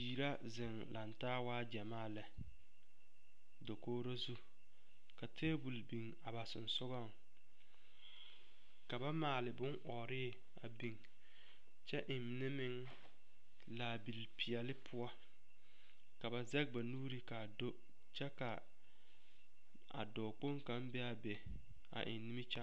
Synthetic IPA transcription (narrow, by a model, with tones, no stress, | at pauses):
iː˨ɾa˦ | zɪ˨ŋla˨ntaː˦waː˦d͡ʒa˨maː˦˨lɛ˨ | do˨koː˦ɾo˦zu˦ | ka˨tʰeː˦bu˨lbi˨ŋ | a˨ba˨sʊ˨nsʊ˦ɣɔ˦˨ŋ | ka˨ba˦maː˨lɪ˨bʊ˦ŋʔɔː˨ɾɪː˦˨ | a˨bi˨ŋ | t͡ʃɛ˦ʔɪ˨n˦nɪ˦mɪ˦ŋ | la˨bi˨lpʰi˨ɛ˨lɪ˦pʰʊ˦ɔ˦ | ka˨ba˨zɛ˦k̚ba˨nuː˦ɾi˦ka˨do˦ | t͡ʃɛ˦ka˨ | a̰˨dɔː˨k͡po˦ŋka˦mbɛ˦a˨bɛ˨ | a̰˨ʔɪ̰˨n˦nɪ˦mɪ˦t͡ʃa˦